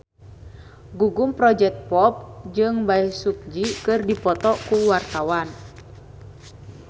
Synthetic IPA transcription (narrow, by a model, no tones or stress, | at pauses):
ɡuɡumpɾɔd͡ʒɛk̚t̪̚pɔp̚d͡ʒɨŋbaisuk̚d͡ʒikɨrdipɔt̪ɔkuwart̪awan